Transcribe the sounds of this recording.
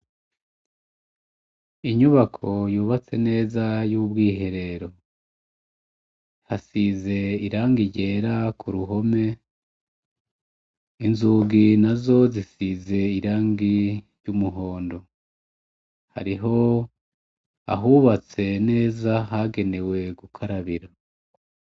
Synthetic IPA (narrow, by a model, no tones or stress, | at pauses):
iɲuβakʰo̞juːβat͡se̞ne̞ːzajubɡiːɦe̞ɾe̞ɾo̞ | hasize̞iɾaːŋɡiɟe̞ːɾakuɾuɦo̞me̞ | inzuːɡinazo̞zisize̞iɾaːŋɡiɾjɟumuɦo̞ːndo̞ | ha̰ɾiɦo̞ | a̰ɦuβat͡se̞ne̞ːzaɦaɡe̞ne̞we̞ɡukʰaɾaβiɾa